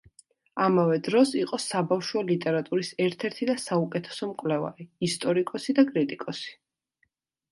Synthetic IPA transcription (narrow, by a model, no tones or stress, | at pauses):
amavɛd̪ɾɔsiqʼɔsabafʃwɔlit̪ʼɛɾat̪ʼuɾisɛɾt̪ʰɛɾt̪ʰid̪asaukʼɛt̪ʰɛ̥sɔmkʼwlɛva̰ɾiist̪ʼɔɾikʼɔsid̪akʼɾit̪ʼikʼɔsi̥